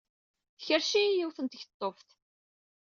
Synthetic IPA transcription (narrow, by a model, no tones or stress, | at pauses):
θçəɾʃijɪwθənt̪əçt̪ˤːofθ